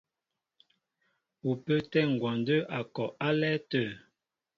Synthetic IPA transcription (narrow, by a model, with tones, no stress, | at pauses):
u˨pə˦tɛ˦˨ŋ̩˨ɡwɔ˨n˦də˦ʔa˨kɔ˨a˦lɛ˦tə˨